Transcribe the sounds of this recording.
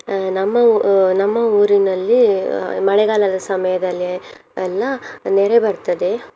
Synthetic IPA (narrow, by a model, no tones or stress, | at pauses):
nɐmːɐnɐmːɐuːɾinɐlːimɐɭɛɡaːlɐd̪ɐsɐmɐjɐd̪ɐlːi | ɐlːɐnɛɾebɐɾt̪ɐd̪e̞